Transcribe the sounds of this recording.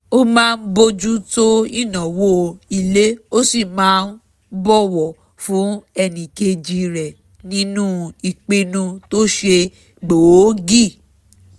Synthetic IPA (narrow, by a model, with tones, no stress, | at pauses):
o˦mãː˦˧n̩˦bo˧d͡ʒu˦to˦i˦˨nã˨wo˦i˨le˨˦o˦si˦˨mãː˨˦n̩˦ | bɔ˦˨wɔ˨ | fũ˨˦ɛ˧nĩ˨ke˧d͡ʒi˨˧ɾɛ˨ | nĩ˦nũ˦i˨k͡pe˧nũ˧to˦ʃe˧ | ɡ͡bo˨wo˦ɡi˦˨